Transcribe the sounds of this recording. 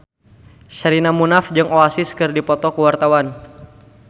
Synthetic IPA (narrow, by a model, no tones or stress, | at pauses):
ʃaɾinamunafd͡ʒɨŋoasiskɨrdipɔt̪ɔkuwart̪awan